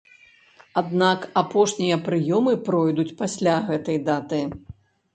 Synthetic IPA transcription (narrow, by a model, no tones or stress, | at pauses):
ad̪nakapɔʂnʲijɐpɾɨjɔmɨpɾɔjd̪ut͡sʲpasʲlʲaɣɛt̪ɐjd̪at̪ɨ